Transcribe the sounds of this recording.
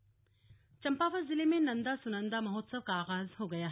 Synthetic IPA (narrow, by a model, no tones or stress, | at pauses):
t͡ʃɐmpapʰɐzilemenːɐnd̪ɐsunɐnd̪ɐmɐɦot̚sɐw̚kaɡazhɐwɡɐja